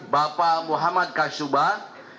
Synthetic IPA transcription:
bapamuɦamad̪̚kaʃuba

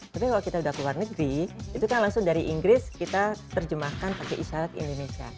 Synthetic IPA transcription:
t̪apikalokit̪audahkluarnəɡɾiit̪ukanlaŋsʊŋdaɾiʔiŋɡɾɪskit̪at̪ərd͡ʒəmahkanpakeʔisaɾat̪ḭndonesia̰

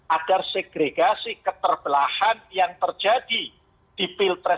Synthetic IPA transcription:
ʔaɡ̥arseɡ̥ɾeɡasikət̪ərb̥əlahanjaŋt̪ərd͡ʒad̥i | d̥ipilt̪ɾɛ

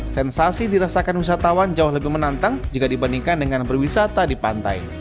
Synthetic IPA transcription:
sɛnsasidiɾasakanwis̬at̪awand͡ʒaʊhləbɪhmənant̪aŋd͡ʒikadibaniŋkandəŋanbərwisat̪adipant̪a̰j

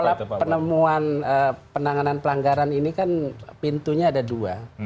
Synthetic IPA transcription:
alapənəmuanəpənaŋananpəlaŋɡaɾaninikanpint̪uɲaːdadua

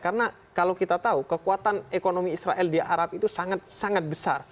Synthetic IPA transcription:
kaɾəna | kalawkit̪at̪aukəkuat̪anekonomiːsɾaʔɛldiaɾap̚it̪usaŋat̪̚saŋat̪̚bəsa̰r

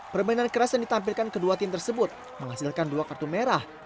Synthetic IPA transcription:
pərbainankəɾasjandit̪amp̬ilkankəduat̪ɪmt̪ərsəbʊt̪̚ | məŋhasilkanduakart̪umeɾah

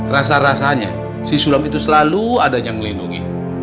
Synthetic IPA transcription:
ras̬aɾasaɲa̰ | sisulamit̪usəlaluadaɲaŋməlinduŋḭ

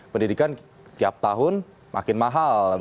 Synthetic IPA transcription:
pəndidikan | t̪iap̚t̪aɦʊn | mʔa̰kɪnmaɦal

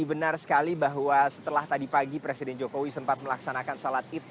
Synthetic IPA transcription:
bənarsə̥kalibaɦwasə̥t̪əlaht̪adipaɡipɾesidɛnd͡ʒokowisəmpat̪̚məlaksanakansalat̪̚it̪

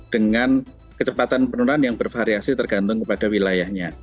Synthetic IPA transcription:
d̥əŋan | kət͡ʃəpat̪anpənuɾanjaŋbərfaɾiasit̪ərɡ̥ant̪ʊŋkəpad̥awilajahɲa

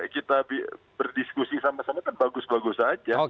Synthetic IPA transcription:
kit̪abi | bərdiskusisamasamak̪anbaɡʊsbaɡʊsad͡ʒao

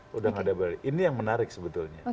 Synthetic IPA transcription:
udaŋadabaliinijaŋmənaɾɪk̚səbət̪ulɲa

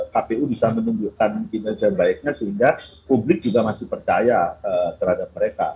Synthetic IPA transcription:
kapeubisamənuɲd͡ʒukanbinad͡ʒabaɪk̚ɲasəɦiŋɡapublɪk̚d͡ʒuɡamasɪhpərt͡ʃajaət̪ərhadap̚məɾeka̰

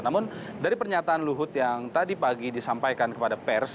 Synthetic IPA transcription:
namʊn | daɾipərɲat̪aanluɦʊt̪jaŋt̪adipaɡidisampajkankəpadapɛrs

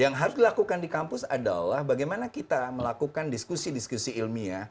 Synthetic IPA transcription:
jaŋɦaɾʊsdilakukandikampʊsada̰lahbaɡajmanakit̪aməlakukandiskusidiskusiːlmia

